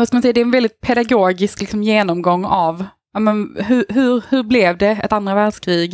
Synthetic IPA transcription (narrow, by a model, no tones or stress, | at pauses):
aʂskalmansɛjad̪ɛːɾɛnvɛld̪ɪt̪̚pʰɛd̪aɡoːɡɪsklɪksɔmjeːnɔmɡɔŋːav | amɛnɦɵɾɦɵɾhɵɾblɛvd̪ɛɛ̰t̪and̪ɾavæːɖʂkʰɾiːɡ